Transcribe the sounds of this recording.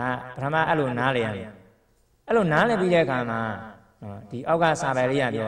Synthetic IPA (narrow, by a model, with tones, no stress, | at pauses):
a˦˨pətʰə˦˨ma̰˦˨ʔɛ˦lo˨naː˨˦lɛ˨ja̰˦˨mɛ˨ | ʔɛ˦lo˨na˨˦lɛ˨pi˦ɾɛ˦˨ʔəkʰa˨ma˨ | ɔ˨d̥i˨ʔa˦ʊka̰˦˨sa˨bã˨lḛ˦ja̰˨pjɔ˦